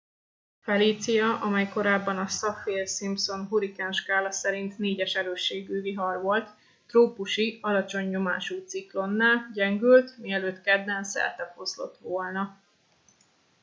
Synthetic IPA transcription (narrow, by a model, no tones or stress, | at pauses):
fɛliːt̪sijɒʔɒmɛjko̞ɾaːbːɒnɒsɒfeːlsimpso̞nɦuɾikɛnʃkaːlɒsɛɾint̪neːɟɛʃɛɾøːʃːeːɡyːviɦɒrʋo̞lt̪ː | roːpuʃiɒlɒt͡ʃo̞ɲːo̞ma̰ːʃuːt̪siklo̞nːaːlɟɛŋɡylt̪miɛløːt̪kɛd̪ːɛnsɛ̰lt̪ɛfo̞zlo̞̰t̪ʋoːlnɒ